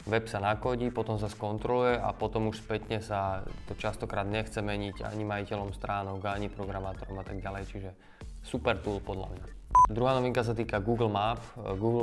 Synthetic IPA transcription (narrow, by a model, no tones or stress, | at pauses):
ʋɛpsanakɔɟiːpɔt̪ɔms̬askɔnt̪ɾɔlujɛʔa̰pɔt̪ɔmuʃspɛt̪ɲɛsat̪ɔt͡ʃast̪ɔkɾaːd̪ɲɛxt͡sɛmɛɲiɟa̰ɲimajicɛlɔmst̪ɾaːnɔɡaɲipɾɔɡɾamaːt̪ɔɾɔmat̪aɡɟalɛjt͡ʃiʒɛ | supɛɾt̪uːlpɔd̪ʎa̰mɲad̪ɾuɦaːnɔʋiŋkas̬at̪iːkaɡuːɡl̩mapɡuːɡl